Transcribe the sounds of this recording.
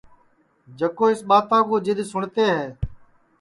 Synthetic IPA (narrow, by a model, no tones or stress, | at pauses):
d͡ʒəkoːɪsɓaːt̪ãːkõːd͡ʒɪd̪sʊɳt̪eːɦɛː